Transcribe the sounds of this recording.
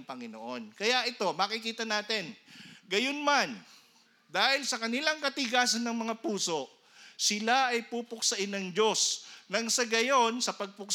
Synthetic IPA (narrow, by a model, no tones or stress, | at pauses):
pɐŋɪno̰ʔo̞nkɐjaʔɛt̪o̞maːkɪkiːt̪ɐnaːt̪ɪnɡɐjonman | d̪aːhɪlsɐkɐnɪlaŋkɐt̪ɪɡaːsɐnːɐŋmɐŋapuːso̞ʔ | sɪlaʔɐjpuːpʊk̚sɐʔɪnːɐŋd͡ʒo̞snɐŋsɐɡɐjo̞nsɐpɐɡ̚pʊk